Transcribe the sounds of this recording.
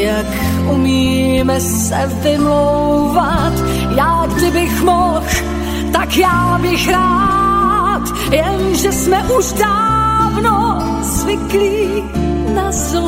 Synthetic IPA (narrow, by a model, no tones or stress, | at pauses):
jak | ʔumiːmɛs | ɛvɪmlowvat̪ | jaːɡdɪbɪxmɔx | t̪akjaːbɪxɾaː | t̪ | jɛnʒɛsmɛʔuʃdaːvno | zvɪkliː | naz